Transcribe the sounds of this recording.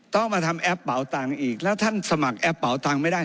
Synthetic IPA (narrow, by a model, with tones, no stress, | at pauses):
t̪ɔ˥˩ŋmaː˧t̪ʰa˧mʔɛ˦˥pːa˩˦wt̪aː˧ŋʔiː˨˩k̚lɛː˦˥wt̪ʰa˥˩nsa˧ma˨˩k̚ʔɛ˦˥pːa˩˦wt̪aː˧ŋma˥˩jda˥˩